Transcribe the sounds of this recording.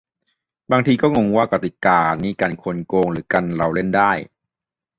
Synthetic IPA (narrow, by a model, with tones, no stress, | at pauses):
baː˧ŋt̪ʰiː˧kɔː˥˩ŋo˧ŋwaː˥˩ka˧t̪i˨˩kaː˧niː˧˩ka˧nkʰo˧nkoː˧ŋɾɯː˩˦ka˧nɾa˧wle˥˩ndaː˥˩j